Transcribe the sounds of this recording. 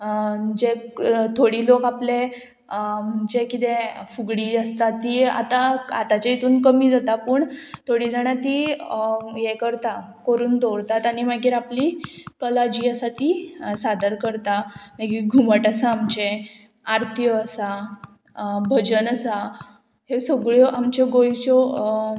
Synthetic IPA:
d͡ʑet̪ʰoɽiːlokaple | məɳd͡ʑekit̪efuɡɽiːd͡zast̪at̪ia̰t̪aa̰t̪at͡ɕait̪uːnkəmiːd͡zat̪apəːɳt̪ʰoɽiːd͡zaɳ̃jat̪i | jekəɾt̪a | kəɾuːnd̪oɽt̪at̪aɽ̃imaɡiːɾaplikəlad͡ʑiːəsat̪isad̪əɾkəɾt̪amaɡiːɾɡʱuməʈasaːmt͡ɕe | aɾt̪ʰjɔːsa | bʱəd͡ʑənəsa | hesəɡɭjɔʔamt͡ɕɔɡojt͡ɕɔ

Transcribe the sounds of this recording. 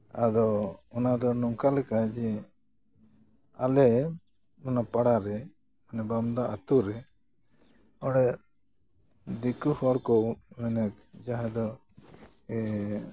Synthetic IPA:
ad̪ɔɔnad̪ɔnɔŋkalɛkad͡ʒɛ | alɛ | ɔnapaɽaɾɛ | manɛbamd̪aʔat̪uɾɛ | ɔɽɛ | d̪ikuhɔɽkɔmɛnɛk̚ | d͡ʒaɦɛ̃d̪ɔ | ɛ

